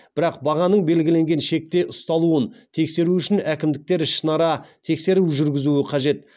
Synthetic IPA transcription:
b̥ɪɾɑq̚bɑʁɑnəɴbe̞lɡʲɪle̞ŋɡʲe̞nʃe̞k̚t̪e̞ʔʊst̪ɑlˠuənt̪ʰe̞kse̞ɾuʏʃɪnækʲɪmd̪ɪk̚t̪e̞ɾʃənɑɾɑt̪ʰe̞kse̞ɾuʒʏɾɡʲɪzuɪqʰɑʒe̞t̪

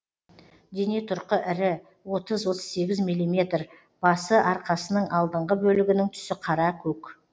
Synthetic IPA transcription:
d̪e̞ne̞t̪ʰʊɾqəʔɪɾɪ | wo̞t̪əzwo̞t̪ə̥zse̞ɡʲɪzmijlˠimʲe̞t̪r | b̥ɑsəʔɑɾqɑsənəɴʔɑlˠd̪əɴʁəbɵlɪɡʲɪnɪŋt̪ʰʏ̥sɪqʰɑɾɑkʲʰɵk

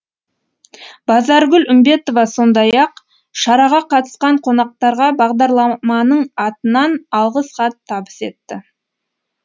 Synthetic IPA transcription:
b̥ɑzɑɾɡʲʏlʏmbe̞t̪o̞vɑso̞nd̪ɑjɑq | ʃɑɾɑʁɑqʰɑt̪ə̥sqɑɴqʰo̞nɑq̚t̪ɑɾʁɑbɑʁd̪ɑɾlˠɑmɑnəɴɑt̪ənɑnɑlˠʁəsχɑt̪ʰːɑbəse̞̰t̪ːɪ

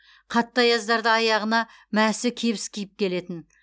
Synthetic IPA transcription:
qʰɑt̪ːɑjɑzd̪ɑɾd̪əɑjɑʁənɑ | mæsɪkʲʰe̞bɪskʲʰijɪp̚kʲʰe̞le̞t̪ɪn

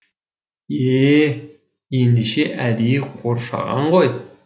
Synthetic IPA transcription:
e | end̪iʃeʔæd̪iqʰoɾʃɑ̰ʁɑ̰ɴʁoj

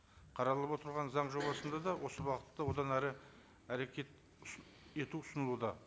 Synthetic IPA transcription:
qʰɑɾɑlˠəpwo̞t̪əɾʁɑnzɑɴʒo̞bɑsənd̪ɑd̪ɑwʔo̞səbɑqət̪ːɑwo̞d̪ɑnæɾɪ | æɾe̞kʲʰe̞t̪ | e̞t̪uʊsənəlˠud̪ɑ

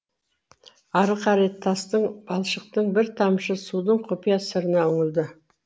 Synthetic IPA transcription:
ɑɾəqʰɑɾet̪ʰːɑst̪əɴbɑlˠʃəq̚t̪əɴbɪɾt̪ʰɑmʃəsud̪əɴqʰopijɑsəɾənɑɵŋɪld̪ɪ

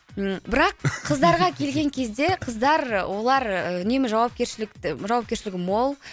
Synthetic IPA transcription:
bɪɾɑqʰːəzd̪ɑɾʁɑkʲʰe̞lɡʲe̞ŋkʲʰe̞zd̪e̞qʰəzd̪ɑɾwo̞lˠɑɾʏne̞mɪʒɑwɑp̚kʲeɾʃɪlɪkt̪ɪʒɑwɑpkʲe̞ɾʃɪlɪɡʲɪmolˠ

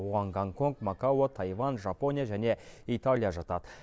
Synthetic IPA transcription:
woʁɑŋɡaŋko̞ŋkmɑkawot̪ʰɑjvɑnʒɑpo̞nʲijaʒæne̞it̪alʲijaʒɑt̪ɑd̪ə

